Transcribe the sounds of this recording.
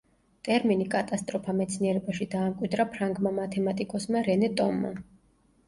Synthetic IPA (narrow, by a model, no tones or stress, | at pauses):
t̪ʼɛɾminikʼat̪ʼast̪ʼɾɔpʰamɛt̪sʰniɛɾɛbaʃid̪aːmkʼwid̪ɾapʰɾaŋɡmamat̪ʰɛmat̪ʼikʼɔsmaɾɛnɛt̪ʼɔmːa̰